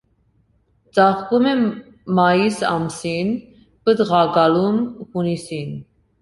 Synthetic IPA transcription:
t͡sɑχkumɛ | mɑjisɑ̰msin | pəd̪ʁɑɡɑlumhunisin

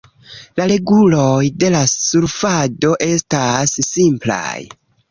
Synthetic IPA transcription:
laɾe̞ɡulo̞jde̞lasuɾfado̞ʔe̞stasːimpla̰j

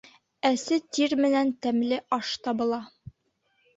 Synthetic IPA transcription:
æsɘt̪iɾmɘ̆nænt̪æmlɘʔɒʃt̪ɒbɤ̆lˠɑ

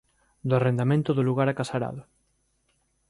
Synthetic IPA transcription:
d̪oʊarend̪amẽnt̪ʊðoluɣaɾakasaɾa̰ðʊ

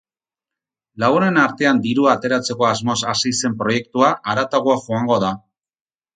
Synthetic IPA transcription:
laɣune̞naɾt̪e̞and̪iɾuat̪e̞ɾat͡se̞ko̞azmo̞sasijse̞mpɾo̞je̞kt̪uaʔaɾat̪aɣuaʝuaŋɡo̞ða

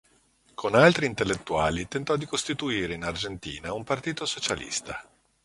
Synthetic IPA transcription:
kʰonalt̪ɾiːnt̪elːet̪ːua̰ːlit̪ent̪ɔd̪ikost̪it̪uiːɾeinard͡ʒent̪ḭːnaumpart̪iːt̪osot͡ʃalḭst̪a

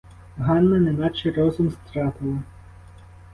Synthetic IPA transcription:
ɦɑnːɐnɛnɑt͡ʃɛɾɔzʊmst̪ɾɑt̪ɪlˠɐ

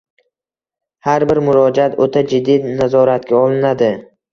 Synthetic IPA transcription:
haɾbɪɾmʊɾɒd͡ʒat̪ot̪ʰad͡ʒɪd̪ːinazɒɾat̪̚kʲaɒlˠɪnad̪ɪ

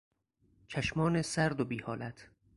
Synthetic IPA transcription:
t͡ʃʰæʃmɒːnesæɾd̪obiːhɒːlæt̪ʰ

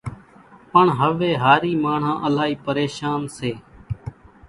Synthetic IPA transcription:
pəɳɦəʋeːɦaːɾiːmaːɳ̤ãːʔəlaːɦiːpəɾeːʃaːnseː

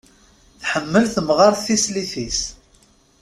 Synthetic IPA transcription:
θħəmːəlθəmʁɑɾθθisliθis

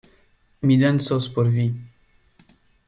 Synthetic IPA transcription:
mid̪ɛnsɔspɔɾvi

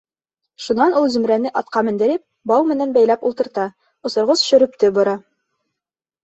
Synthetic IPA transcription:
ʃunɑnulˠzɵ̆mɾænɘʔɑt̪qɑmɘ̆nd̪ɘ̆ɾɘp̚ | bɑwmɘ̆nænbæjlæpulˠt̪ɤ̆ɾt̪ɑ | ŏsŏɾʁɤsʃɵ̆ɾɵ̆p̚t̪ɘbŏɾɑ

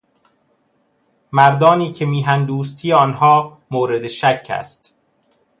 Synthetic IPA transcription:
mæɾd̪ɒːniːcʰemiːɦænd̪uːst̪ʰiːeɒːnhɒː | moːɾe̞d̪eʃæcʰːæ̰st̪

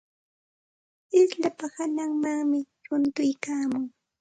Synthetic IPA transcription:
ɪsʎapahanaŋmaŋmɪʃʊnt̪ʊjkaːmʊŋ

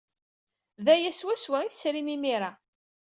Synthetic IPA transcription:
ðæjæswæswæiθsɾimimiɾa

